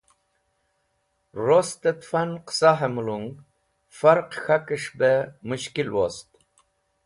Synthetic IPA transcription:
rost̪ət̪fanqʰə̥saɦemuluŋ | faɾqxakɨʂbəmuʃkilwo̰st̪

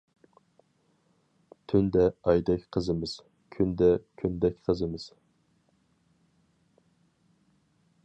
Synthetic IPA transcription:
t̪ʰynd̪ɛɑjd̪ɛkʲqʰəzɨmɨz̥ | kʲʰynd̪ɛkʲʰynd̪ɛkʲqʰəzɨmɨz̥

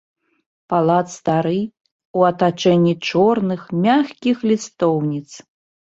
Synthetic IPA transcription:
palˠat̪st̪aɾɨj | uɐt̪at͡ʂɛnʲːit͡ʂɔrnɨxmʲaxkʲixlʲist̪ɔwnʲit̪s

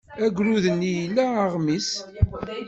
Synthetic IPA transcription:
æɡʷɾuðənːijlːæəʁmis

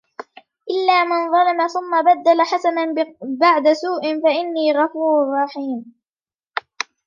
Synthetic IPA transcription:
ʔɪlːaːmɪnðˤɑlɪmaθʊmːabad̪ːalaħasanabaʕd̪asuːʔɪnfaʔɪnːiːɣɑfuːɾʊrˤːɑħiːm

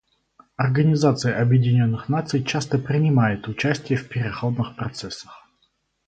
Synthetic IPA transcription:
ɐrɡənʲɪzat̪sɨjəʔɐbjɪdʲɪnʲo̞nːɨxnat̪sɨjt͡ɕast̪əpɾʲɪnʲɪmajɪt̪ʊt͡ɕæsʲtʲɪjəfpʲɪɾʲɪxo̞d̪nɨxpɾɐt̪sɛsːə̥x

